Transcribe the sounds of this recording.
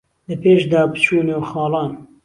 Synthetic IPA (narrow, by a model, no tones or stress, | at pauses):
ləpʰeːʃd̪ɑːbɨt͡ʃʰuːnoːxɑːlɑːn